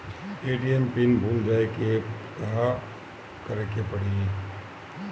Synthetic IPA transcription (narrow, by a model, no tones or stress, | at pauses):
eːʈiɛmpɪnbʱũːmd͡ʒaːekekɐɦa | kɐɾekepɐɽeɡeː